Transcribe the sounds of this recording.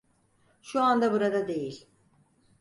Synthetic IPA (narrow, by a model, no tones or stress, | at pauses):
ʃuand̪abuɾad̪ad̪e̞jilʲ